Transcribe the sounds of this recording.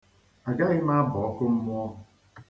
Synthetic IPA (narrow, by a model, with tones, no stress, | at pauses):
a˨ɡa˦ɣɪ˦ma˦a˦bɔ˨ɔ˦kʊ˦m̩˦mʊ˦ɔ˦˨